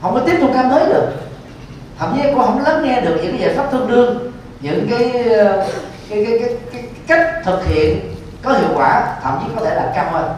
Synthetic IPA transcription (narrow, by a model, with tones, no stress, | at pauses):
hə˧˩wŋ͡mkɔ˨˦t̪i˦ənt̪ʰu˧kaː˧mt̪əː˨˦jɗɨ˨˩ək̚ | t̪ʰa̰ː˧˩mt͡ɕi˨˦kɔ˧ɦə˧˥wŋ͡mlə˨˦nŋɛ˧ɗɨ˨˩k̚ɲɨ̰˧˥ŋka˨˦jzaː˧˨˩faː˦˥p̚t̪ʰɨ˧əŋ͡mɗɨ˧əŋ | ɲɨ̰˧˥ŋkaː˨˦j | jkaː˨˦kːkːjjka˦˥k̚t̪ʰɨ˨˩k̚hḭ˧˨ən | kɔ˨˦hḭ˧˨əwkwaː˧˩t̪ʰa̰ː˧˩mt͡ɕi˨˦˥kɔ˨˦t̪ʰe˧˩ɗaː˨˩p̚t͡ɕa˧mhəː˧